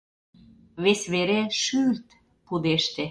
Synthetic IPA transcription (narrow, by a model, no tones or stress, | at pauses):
βesβeɾeʃylt̪ | pud̪eʃt̪e